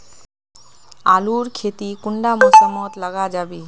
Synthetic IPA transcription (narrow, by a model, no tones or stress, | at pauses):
a̰luɾkʰet̪ikuɳɖamɔsamɔt̪laɡad͡ʑabi